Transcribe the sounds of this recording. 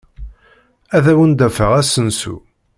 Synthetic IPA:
æðæwənd̪æfəʁæsənsṵ

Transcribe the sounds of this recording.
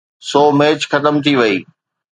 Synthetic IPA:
sɔːmeːt͡ɕxɐt̪əmt̪ʰiʋɐḭː

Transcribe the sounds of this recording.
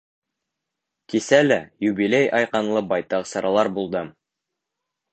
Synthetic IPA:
kisælæjʉbilejɑjqɑnlˠɤbɑjt̪ɑqsɤ̆ɾɑlˠɑɾbulˠd̪ɤm

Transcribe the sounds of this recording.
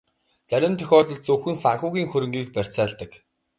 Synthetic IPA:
t͡sæɾʲɪ̆nt̪ʰœxʲɔːt̪ɞ̆ɮt͡sɵwxɘ̆nsaɴχʊːɣiːŋxɵɾɘ̆ŋɡiːk̚pær̥ʲt͡sæːɮt̪ə̆k

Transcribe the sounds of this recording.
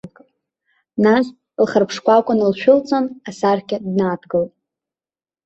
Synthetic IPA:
nas | lχərpʰʂkʷakʷʼʊnɨlʃᶣʊlt͡sʼonasarkʲadnaːdʰɡɨltʼ

